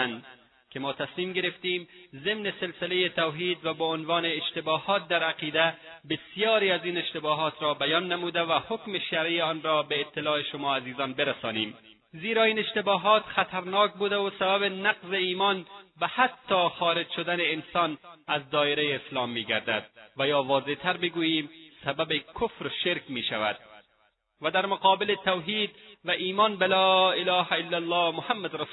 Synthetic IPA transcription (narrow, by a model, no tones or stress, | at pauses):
nd̪ | kemɔːt̪asmiːmɡeɾeft̪iːmzemneselsɪlejet̪awɦiːd̪vabɔonvɒːneːʃt̪ebɒːhɒːt̪̚d̪aɾaqiːd̪æbɪsijɒːɾiːaziːneʃt̪ebɒːɦɒːt̪ɾɒːbæjɒːnːamuːd̪avahokmeʃaɾʔijeɒːnɾɔːbeːt̪ːɪlɒːeʃomɒːaziːzɒːnbeɾasɒːnḭːm | ziːɾɒːiːneʃt̪ebɒːɦɒːt̪xat̪ʰaɾnɒːk̚buːd̪awosabaβenaqzeiːmɒnbahat̪ʰːɒːxɒːɾed͡ʒʃod̪aneːnsɒːnazd̪ɒːeɾejeːslɒːmːiːɡaɾd̪a̰d̪̚vajɒːvɒːzet̪ʰaɾbeɡuːjiːmsababekʰʊfɾoʃeɾkmiːʃava̰d̪̚ | vad̪aɾmoqɒːbɪlet̪awɦiːd̪vaʔiːmɒːnbelɒːɪlɒːhaɪlːalːɒːmʊhamːad̪ɾa